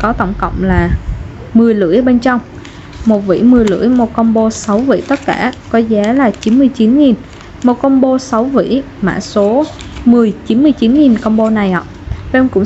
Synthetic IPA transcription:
kɔ˨˦t̪ə˧˩wŋ͡mkə̰˧˨wŋ͡mlaː˨˩ | mɨ˨˩əjlɨ̰˧˥əjɓe˧nt͡ɕɔ˧wŋ͡m | mo˨˩t̚vḭ˧˥jmɨ˨˩əjlɨ̰˧˥əjmo˨˩t̚kə˧wŋ͡mɓo˧sa˨˦wvḭ˧˥t̪ə˦˥t̚kaː˧˩kɔ˨˦za˨˦laː˨˩t͡ɕi˨˦nmɨ˧əjt͡ɕi˨˦nŋi˨˩n | mo˨˩t̚kə˧wŋ͡mɓo˧sa˨˦wvḭ˧˥ | ma̰ː˧˥˨so˨˦ | mɨ˨˩əjt͡ɕi˨˦nmɨ˧əjt͡ɕi˨˦nŋi˨˩nkə˧wŋ͡mɓo˧na˨˩jhɔ̰˧˨ | ɓe˧wŋ͡mkʊ̰˧˥ŋ͡m

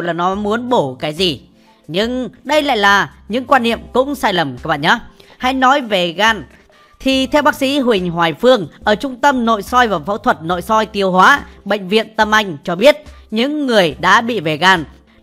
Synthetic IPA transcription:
wlaː˨˩nɔ˨˦mu˨˦ənɓo˧˩kaː˨˦jzi˨˩ | ɲɨ˧ŋɗə˧jla̰ː˧˨jlaː˨˩ɲɨ̰˧˥ŋkwaː˧nːḭ˧˨əmkʊ̰˧˥ŋ͡msaː˧jlə˨˩mkaː˦k̚ɓa̰ː˧˨ɲə˨˦˥ha˧jnɔ˨˦jve˨˩ɣaː˧˩n | t̪ʰi˨˩t̪ʰɛ˧wɓaː˦˥k̚sḭ˧˥ɦwï˨˩ŋ̟ɦwaː˨˩jfɨ˧əŋʔəː˧˩t͡ɕʊ˧ŋ͡mt̪ə˧mno̰˧˨jsɔ˧jvaː˨˩wfaː˨˦wt̪ʰwə˨˩t̚no̰˧˨jsɔ˧jt̪i˨˩əwɦwaː˨˦ɓə̰˧˨ŋ̟vḭ˧˨ənt̪ə˧mʔa˧jŋ̟t͡ɕɔ˧ɓi˦˥ət̚ɲɨ̰˧˥ŋːɨ˨˩əjɗa̰ː˧˥ɓḭ˧˨ve˨˩ɣaː˨˩n

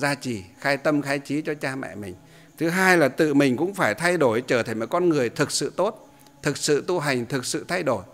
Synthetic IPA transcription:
zaː˧t͡ɕi˨˩xaː˨˧jt̪ə˧mxaː˨˦jt͡ɕi˨˦t͡ɕɔ˧t͡ɕaː˧mɛ̰˧˨mï˨˩ŋ̟ | t̪ʰɨ˨˦ɦaː˧jlaː˨˩t̪ɨ̰˧˨mï˨˩ŋ̟kʊ̰˧˥ŋ͡mfaː˧˩jt̪ʰa˧jɗo˧˩jt͡ɕəː˧˩t̪ʰə˧˩jmɔ˨˩kɔ˧nŋɨ˨˩əjt̪ʰɨ˨˩k̚sɨ̰˧˨t̪o˦˥t̚ | t̪ʰɨ˨˩k̚sɨ̰˧˨t̪u˧ɦa˨˩jŋ̟t̪ʰɨ˨˩k̚sɨ̰˧˨t̪ʰa˧jɗo˧˩j

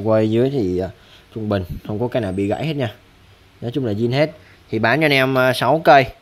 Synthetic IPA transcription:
kwə˧jzɨ˨˦əjt̪ʰi˨˩˨ | t͡ɕʊ˧ŋ͡mɓï˨˩ŋ̟hə˧wŋ͡mkɔ˨˦kaː˨˦jnaː˨˩wɓḭ˧˨ɣa̰ː˧˥jhe˦˥t̚ɲaː˧ | nɔ˨˦t͡ɕʊ˨˦ŋ͡mlaː˨˩zi˧nhe˦˥t̚ | t̪ʰi˨˩ɓaː˨˦nɲɔ˧nɛ˧mː˨˩sa˨˦wkəː˧j

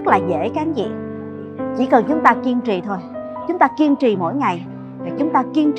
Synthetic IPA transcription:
k̚laː˨˩zḛ˧˥kaː˨˦zḭ˧˨ | t͡ɕḭ˧˩kə˨˩nt͡ɕʊ˨˦ŋ͡mt̪aː˧ki˧əmt͡ɕi˨˩t̪ʰo˧j | t͡ɕʊ˨˦ŋ͡mt̪aː˧ki˧əmt͡ɕi˨˩mo̰˧˥jŋa˨˩j | vaː˨˩t͡ɕʊ˨˦ŋ͡mt̪aː˧ki˧əmt͡ɕ

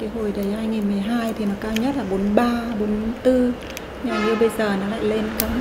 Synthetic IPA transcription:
kaː˨˦ɦo˧˩jɗə˨˦jhaː˧jŋi˨˩nmɨ˨˩əjɦaː˧jt̪ʰi˨˩nɔ˨˦kaː˧wɲə˦˥t̚laː˨˩ɓo˨˦nɓaː˧ɓo˨˦nt̪ɨ˧ | ɲa˧˩ɲɨ˧ɓə˧jzəː˨˩nɔ˨˦la̰ː˧˨jle˧nkə˧

